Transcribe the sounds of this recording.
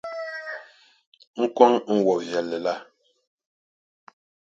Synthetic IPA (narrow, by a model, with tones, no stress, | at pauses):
ŋ̩˦kwɔ˦ŋ˦ŋ̩˦˨wɔ˨jɛ˨lːɛ˨la˦˨